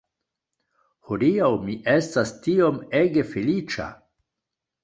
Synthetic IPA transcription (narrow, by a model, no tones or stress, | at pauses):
hodiawmiʔe̞stastio̞meɡe̞felit͡ʃa̰